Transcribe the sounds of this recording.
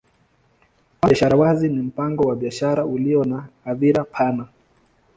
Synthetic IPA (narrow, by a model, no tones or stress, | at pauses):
waʃaɾawazinim̩paŋɡɔwaɓiaʃaɾauliɔnaːðiɾapʰana